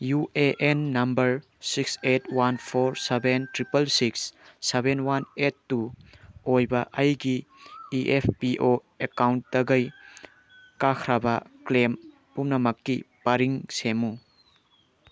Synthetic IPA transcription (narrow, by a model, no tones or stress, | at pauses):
juʔeʔenːɐmbɐɾ | siksetwanpʰoɾsebentɾipɐlsiksːebenwanetːuojbɐʔɐjɡiiʔepʰpiʔo | ekawntdɐɡɐj | kakʰɾabɐklem | pumnɐmɐkːḭpaɾiŋsemu